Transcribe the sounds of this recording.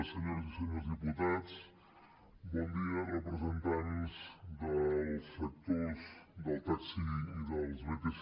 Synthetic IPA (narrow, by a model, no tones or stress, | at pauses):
səɲoɾzisəɲozðiput̪at͡s | bɔnd̪iərəpɾəzənt̪anzd̪əlˠsək̚t̪ozd̪əlˠt̪aksiiðəlˠzmət̪is